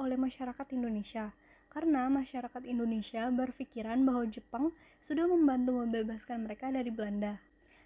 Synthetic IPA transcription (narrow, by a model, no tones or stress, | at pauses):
olɛhmaʃaɾakat̪indonesia | kaɾənamaʃaɾakat̪indonesiabərfikiɾanbaɦwad͡ʒəpaŋ | sudahməmbant̪uməmbebaskanməɾekadaɾiblanda